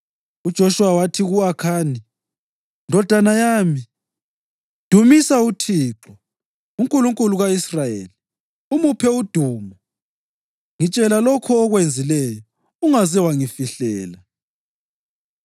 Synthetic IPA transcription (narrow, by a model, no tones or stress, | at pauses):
ud̥ʒ̥ʱɔʃuwawatʰiɣuakʰaːni | ndʱɔd̥ʱanajaːmi | d̥ʱumisautʰiːǁɔ | uŋkʼuluŋkʼuluɣaisrajḛːli | umupʰɛud̥ʱuːmɔ | ŋit͡ʃʼɛlalɔkʰɔːɣwend͡zʱilɛjɔ | uŋazɛwaŋifiɬɛːla